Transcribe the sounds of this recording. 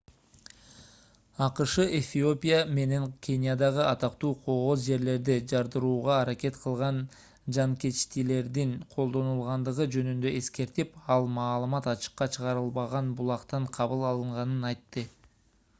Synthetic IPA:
ɑqɯʃɯʔefʲio̞pʲijame̞ne̞ŋkʲʰenʲijad̪ɑʁɯʔɑt̪ɑqt̪uːqʰo̞ʁo̞zd͡ʒe̞ɾle̞ɾd̪id͡ʒɑɾd̪ɯɾuːʁɑːɾake̞t̪qʰəlˠʁɑn | d͡ʒɑŋke̞t͡ʃt̪ile̞ɾd̪iŋqʰo̞lˠd̪o̞nulˠʁɑnd̪ɯʁɯd͡ʒø̞nynd̪ø̞e̞ske̞ɾt̪ipɑlˠmɑːlˠɯmɑt̪ɑt͡ʃə̥qːɑt͡ʃʰəʁɑɾɯlˠβɑʁɑnbulˠɑqt̪ɑɴqʰɑβɯlˠɑlˠɯɴʁɑnɯnɑjt̪ːɯ

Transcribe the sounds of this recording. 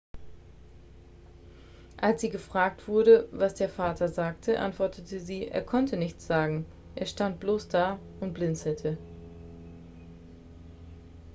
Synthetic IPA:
ʔalsz̥iːɡəfʁ̥aːk̚tv̥ʊɐɾəvasd̥eːɐfaːtʰɐzaːk̚tʰəʔa̰ntv̥ɔɐtʰətəziːʔḛːɐkʰɔntənɪçt͡sz̥aːɡŋ̩ | ʔeːɐʃtant̚b̥loːsd̥aː | ʊnt̚b̥lɪnt͡sl̩tʰə

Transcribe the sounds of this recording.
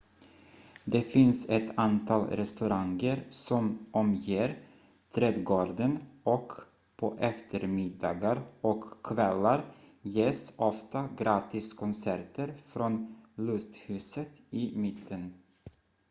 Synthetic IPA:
d̪ɛfɪnsɛt̪ʰant̪ʰɑːlɾɛst̪ɵɾaŋɡəɾsɔmʔɔmjeːɾ | t̪ʰɾɛːd̪ɡoːɖənʔɔk | pʰɔʔɛft̪ʰəɾmɪd̪ɑ̰ːɡaɾɔkʰːvɛlːaɾjeːsɔft̪aɡɾɑːt̪ɪskʰɔnsæɾʈəɾfɾɔnlɵst̪hʉ̟ːsət̪ɪmɪt̪ʰːən

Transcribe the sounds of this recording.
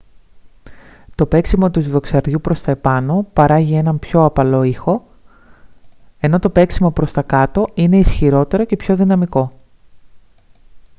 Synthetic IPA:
t̪o̞pe̞ksimot̪uzðo̞ksɐɾðʝupɾo̞st̪ɐepɐno̞pɐɾɐʝie̞nɐmpço̞ɐpɐlo̞ixo̞ | e̞no̞t̪o̞pe̞ksimo̞pɾo̞st̪ɐkɐt̪o̞ine̞isçiɾo̞t̪e̞ɾo̞ce̞pço̞ðinɐmiko̞

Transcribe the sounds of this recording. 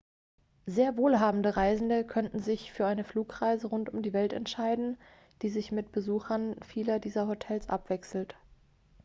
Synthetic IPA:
zeːɐvoːlɦaːbm̩dəʁaɪzn̩dəkʰœntn̩zɪçfyːɐʔaɪnəfluːkʁ̥aɪzəʁʊntʊmdiːvɛltɛ̰ntʃaɪdn̩ | d̥iːzɪçmɪt̚b̥əzuːxɐnfiːlɐdiːzɐɦotʰɛlsʔa̰pv̥ɛksl̩t

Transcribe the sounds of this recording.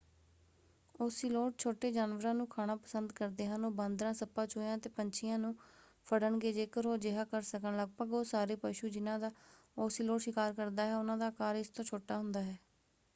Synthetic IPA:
oːsiːloːʈ̚t͡ʃʰoːʈeːd͡ʒaːnʋəɾãːnũːkʰaːɽ̃aːpəsənd̪kəɾd̪eːɦənoːbə̃nd̪ɾãːsəpãːt͡ʃʰoːjãːt̪eːpəɲt͡ʃʰɪjãːnũː | pʰəɽəɳɡeːd͡ʒeːkəɾoːd͡ʒɪɦaːkəɾsəkənləɡ̚pəɡoːsaːɾeːpəʃuːd͡ʒɪnãːd̪aː | oːsiːloːʈʃɪkaːɾkəɾd̪aːɦɛːʊnãːd̪aːkaːɾɪst̪õːt͡ʃʰoːʈaːɦʊnd̪aːɦɛː

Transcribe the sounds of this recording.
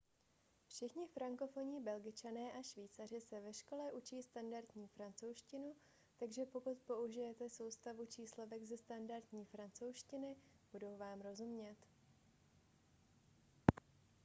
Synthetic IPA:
fʃɪxɲɪfɾaŋko̞fo̞ɲiːbɛlɡɪt͡ʃanɛːʔaʃviːt͡sar̝ɪsɛvɛʃko̞lɛʔut͡ʃiːst̪andaɾt̪ɲiːfɾant͡so̞wʃcɪnu | t̪aɡʒɛpo̞kut̪po̞uʒɪjɛt̪ɛso̞wst̪avut͡ʃiːslo̞vɛɡzɛst̪andaɾt̪ɲiːfɾant͡so̞wʃcɪnɪ | b̥udo̞wvaːmɾo̞zumɲɛt̪

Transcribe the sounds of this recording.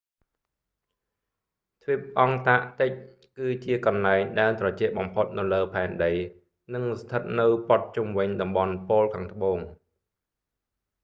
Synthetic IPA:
t̪ʰʋip̚ʔɑŋt̪aʔt̪ɨc̚ | kɨːt͡ɕiəkɑnlaɛŋɗaɛlnt̪rɑt͡ɕɛ̆əʔ̚ɓɑmpʰot̪̚nɨwləːpʰaɛnɗəj | nɨŋst̪ʰət̪̚nɨwpot̪̚t͡ɕumʋɨɲɗɑmɓɑnpoːlkʰaːŋt̪ə̆ɓoːŋ

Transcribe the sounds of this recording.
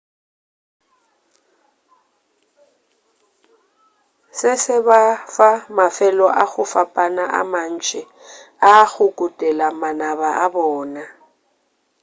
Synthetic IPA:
sɪsɪβafamafɛlɔʔaɣʊfapʼanaʔa̰man̩t͡ʃʼɛ | aɣʊkʼʊtʼɛlamanaβaʔabɔːna

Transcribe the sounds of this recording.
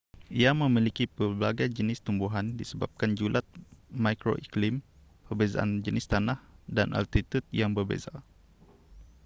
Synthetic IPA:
ʔiamə̃milikipəbaɡajd͡ʒənɪst̪umbuɦandisəba̰p̚kand͡ʒulʔat̪̚mãjkɾo̰ʔiklim | pərbeza̰ʔa̰nd͡ʒənɪst̪anahdanʔa̰lt̪it̪ut̪̚jaŋbərbḛza

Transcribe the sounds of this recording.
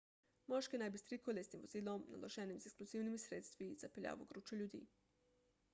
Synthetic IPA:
moʃkenajbist̪ɾikʰolesimʋoziːlˠomna̰loʒenimzekskluziːwnimisɾeːt̪st̪ʋizapeʎʲa̰ːʋoɡɾuːt͡ʃoʎʲuːd̪ḭː

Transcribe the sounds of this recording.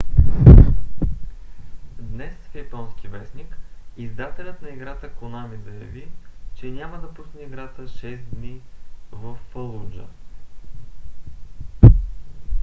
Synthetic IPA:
d̪nɛsfjɐpɔnskʲivɛsnikizd̪at̪ɛlʲət̪nɐiɡɾat̪əkʊnamizɐjɐ̰vit͡ʃɛnʲaməd̪ɐpusnɛiɡɾat̪əʃɛsd̪nivəfːɐlˠud͡ʒə̰

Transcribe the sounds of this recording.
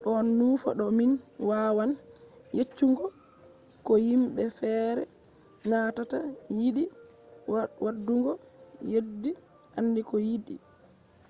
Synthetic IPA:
ɗɔnːufa̰ɗɔminwaːwan | jet͡ʃːuŋɡɔ | kɔjimɓɛfɛːɾɛ̰ | natatajiɗi | wadːuŋɡɔ | jedːi | ʔanːdikɔjiɗḭ

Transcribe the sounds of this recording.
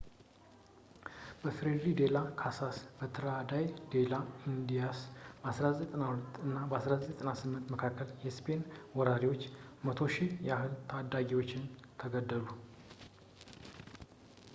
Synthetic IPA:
b̥əfɾid̪ɾid̪e̞lakʰasasbət̪ʰəɾad̪ajd̪e̞laind̪ijasbəasɾazət̪t̪ʼənahulət̪ːɨnːabəasɾazət̪t̪ʼənasɨmːɨnt̪məkʰakːəljɛspʰe̞nwɔɾaɾiwo̞t͡ʃːmət̪ʰo̞ʃijɛahɨlt̪ʰad̪ːaɡiwo̞t͡ʃːɪnt̪ʰəɡəd̪ːəlu

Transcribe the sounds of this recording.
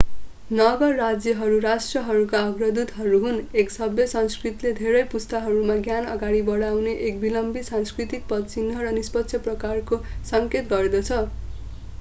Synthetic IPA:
nʌɡʌrːad͡zjʌɦʌɾuɾasʈrʌɦʌɾukaʌɡrʌd̪ud̪ɦʌɾuɦuneksʌbjʌsʌnskrit̪iled̪ʱeɾʌjpust̪aɦʌɾumaɡjanʌ̰ɡaɽ̃ibʌɽawneʔek̚bilʌmbit̪sanskrit̪ik̚pʌt̪t͡sinɦʌrʌnispʌt̪ːsʰʌprʌkarkosʌŋket̪ɡʌred̪ʌt͡sʰʌ

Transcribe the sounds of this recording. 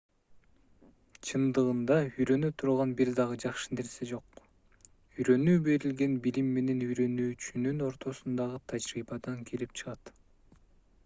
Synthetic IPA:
t͡ʃʰɯnd̪ɯʁɯnd̪ɑyjɾø̞nyt̪ʰuɾʁɑnbiɾd̪ɑʁɯd͡ʒɑqʃɯ̥neɾsed͡ʒo̞q | yjɾø̞nyːbe̞ɾilɡe̞nbilimːe̞ne̞nyjɾø̞nyːt͡ʃynyno̞ɾt̪ʰo̞sund̪ɑʁɯt̪ʰɑd͡ʒɾibɑd̪ɑŋkʰelip̚t͡ʃʰɯ̥ʁɑt̪

